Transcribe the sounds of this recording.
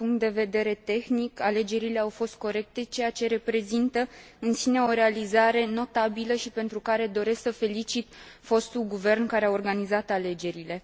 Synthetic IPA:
puŋkt̪̚d̪e̞ve̞d̪e̞ɾe̞t̪e̞xnikale̞d͡ʒe̞ɾile̞awfo̞st̪̚ko̞ɾe̞k̚t̪e̞t͡ʃe̞jat͡ʃe̞ɾe̞pɾe̞zint̪ə | ɨnsine̞o̞ɾe̞alizaɾe̞no̞t̪abiləʃipe̞nt̪ɾukaɾe̞d̪o̞ɾe̞sksəfe̞lit͡ʃit̪ | fo̞st̪ulɡuve̞rnkaɾeaorɡanizat̪ale̞d͡ʒe̞ɾile̞

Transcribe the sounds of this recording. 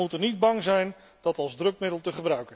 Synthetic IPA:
utənid̚bɑŋzɛjn | dɑtɑlˠzdrɵk̚mɪdəlˠtəχəbrœɥkə

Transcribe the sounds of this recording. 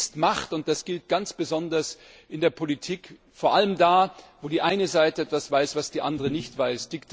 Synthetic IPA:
stmaχtʊnt̚d̥asɡ̥ɪlt̚ɡ̥ant͡sb̥əzɔndɐs | ʔɪndeːɐpʰolitʰiːk | foːɐʔaləmdaːvoːdiːʔaɪnəzaɪtəɛtv̥asv̥aɪsv̥asd̥iːʔa̰ndəʁənɪçtv̥aɪsd̥ɪkt

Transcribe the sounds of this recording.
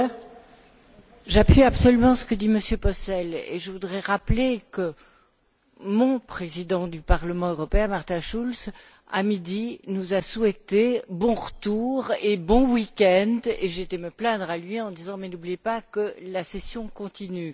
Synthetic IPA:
ʒapɥiabsɔlymɑ̃sə̥kəd̪iməsjøpɔsɛlḛʒəvud̪ʁɛʁaplekə | mɔ̃pχezid̪ɑ̃d̪ypaʁləmɑ̃øʁɔpeɛ̃maʁt̪ɛ̃ʃuls | a̰mid̪inuzasuɛt̪ebɔ̃ʁət̪uʁebɔ̃wikʲɛ̃d̪eʒet̪ɛməplɛ̃d̪ʁalɥiɑ̃d̪izɑ̃mɛnublijepakəlasesjɔ̃kɔ̃t̪iny

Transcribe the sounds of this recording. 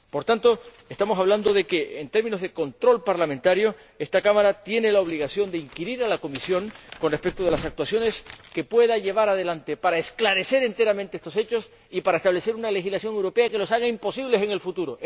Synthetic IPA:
po̞ɾt̪ant̪o̞e̞st̪amo̞saβland̪o̞ðe̞keʔent̪e̞ɾmĩno̞zðe̞ko̞nt̪ɾo̞lpaɾlamẽnt̪aɾjo̞ | e̞st̪akamaɾat̪je̞ne̞lao̞βliɣasjo̞nd̪eiŋkiɾiɾalako̞misjo̞ŋko̞nre̞spe̞k̚t̪oð̞e̞lasakt̪wasjo̞ne̞ske̞pwe̞ðaʝe̞β̞aɾað̞e̞lant̪e̞paɾaesklaɾe̞se̞ɾe̞nt̪e̞ɾamẽnt̪eest̪o̞se̞t͡ʃo̞s | ipaɾaest̪aβle̞se̞ɾunale̞xizlasjo̞ŋewɾo̞pe̞ake̞lo̞saɣaimpo̞siβle̞seŋe̞lfut̪uɾo

